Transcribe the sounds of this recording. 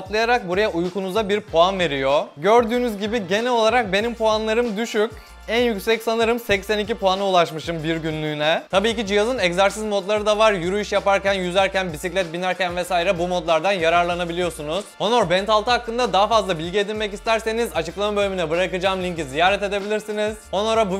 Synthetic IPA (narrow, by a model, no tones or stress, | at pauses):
aplˠajaɾak̚buɾajaʔujkunuzabiɾpʰoanve̞ɾijo̞ɟø̞ɾd̪yːnyzɟibiɟe̞nɛo̞lˠaɾak̚be̞nimpʰoanlˠaɾɯmd̪yʃyc | ænjycsɛcsanɯɾɯmsɛcsænicipʰoanɯulˠaʃmɯʃɯmbiɾɟynlʲynɛt̪ʰabiːcid͡ʒijazɯnɛczaɾsizmo̞t̪lˠaɾɯd̪avaɾjuɾuiʃjapaɾcænjyzæɾcænbisiclʲɛt̪̚binæɾcænvɛsaːjiɾɛbumo̞t̪lˠaɾd̪anjaɾaɾlˠanabilʲijo̞sunuz̥o̞no̞ɾbɛnt̪ʰalˠt̪ʰɯɦakːɯnd̪ad̪aɦafazlˠabilʲɟie̞d̪ilʲmɛcist̪ʰæɾse̞nizat͡ʃɯklˠamabø̞lʲyminɛbɯɾakɯd͡ʒaːmlʲiɲcizijaːɾɛt̪e̞d̪e̞bilʲiɾsiniz̥onoɾabu